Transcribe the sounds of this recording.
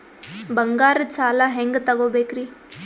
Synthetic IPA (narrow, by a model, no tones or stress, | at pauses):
bɐŋɡaːɾt͡saːlaɦeŋɡt̪ɐɡoːbekɾi